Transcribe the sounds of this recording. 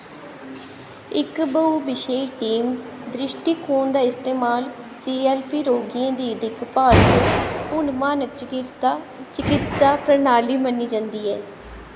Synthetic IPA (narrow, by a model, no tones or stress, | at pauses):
ɪkbəuːbɪʃeiʈiːmd̪ɾɪʃʈiːkʰuːnd̪aːɪst̪eːmaːl | siːɛːlpiːɾoːɡiãːd̪iːəd̪ɪkpaːɾt͡ʃʊɳmaːnət͡ʃɪkɪst̪aː | t͡ʃɪkɪt̪saːpɾənaːliːmənːiːd͡ʒãːnd̪iːɛː